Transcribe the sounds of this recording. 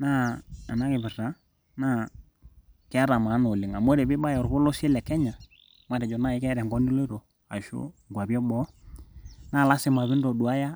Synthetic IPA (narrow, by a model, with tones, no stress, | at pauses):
naː˦˨na˦kɪ˨βɪ˨ɾa˨˦ | na˦˨ | kɛ˦a˦ɾa˨ma˨˦no˨lɪ˨ŋa˨mo˦ɾɛ˨bɪ˦ba˦jɛ˨ɾβɔ˦lɔ˦sɛ˦lɛ˨kɛ˦ɲa˨ | ma˦ɾɛ˨d͡ʒɔ˨na˦˨ɪ˦kɛ˦ɾɛ˨ŋɡɔ˦ni˦lo˦ɾo˨ | a̰˨ʃṵ˦ŋ˨ɡʷwa˨bjɔ˦bɔ˦ | na˦˨la˦sɪ˨ma˨βɪ˦ndɔ˨du˨a˦ja˦